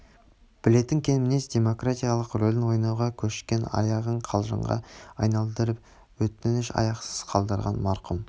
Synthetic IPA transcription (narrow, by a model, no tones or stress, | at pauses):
b̥ɪle̞t̪ːɪŋkʲʰe̞nmɪnesd̪̥ʲe̞mo̞krat̪ijalˠəqrolɪnwo̞jnɑwʁɑkʲʰɵʃɪ̥kʲe̞nɑ̰jɑʁəɴqʰɑlˠʒə̰ɴʁɑ̰ɑjnɑlˠd̪əɾəp | wɵt̪nɪʃɑ̰jɑqsə̥z̥qʰɑlˠd̪əɾʁɑ̰nmɑɾqʊm